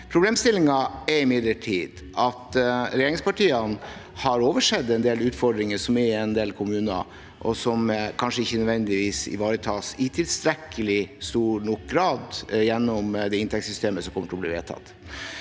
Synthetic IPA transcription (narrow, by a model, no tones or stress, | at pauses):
pʰɾʊbleːmst̪ɪlːɪŋɑɛɪmɪd̪ləʈʰiːd̪ | ʔɑt̪ɾɛjeːɾɪŋspɑʈiːɑn | hɑɾoːʋəʂɛd̪ɛnd̪eːlʉːt̪fɔɖɾɪŋəʂɔmɛɛnd̪eːlkʰʊmʉːnɑ̰ | ʔɔsɔmkʰɑnʂəɪçːənœd̪ʋɛnd̪ɪʋiːsɪ̰ʋɑːɾət̪ʰɑːsɪt̪ʰɪlst̪ɾɛkʰːəlɪst̪uːɳɔk̚ɡɾɑːd̪jɛnːɔmd̪ɛɪnt̪ʰɛksʏst̪eːməsɔmkɔmːəʈʰɪlɔbliːʋḛːt̪ʰɑ̰t̪ː